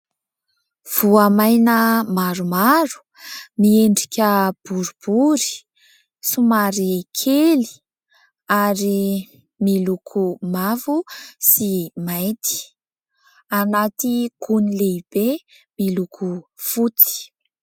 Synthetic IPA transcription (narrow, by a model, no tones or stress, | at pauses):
v̥uamajnəmaɾumaɾu̥ | mieɳɖ͡ʐikʲəb̥uɾub̥uɾi̥ | sumaɾikʰeli̥ | aɾi | milukʰumavusimajt̪i̥ | anat̪iɡ̥unileib̥e | milukʰufut͡si̥